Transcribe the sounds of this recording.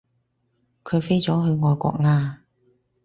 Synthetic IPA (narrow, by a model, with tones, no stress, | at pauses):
kʰɵ˨˧ɥfe˥jt͡sɔː˨˥ɦɵ˨˧ɥŋɔː˨˧jkʷɔ̰ː˧k̚ŋaː˧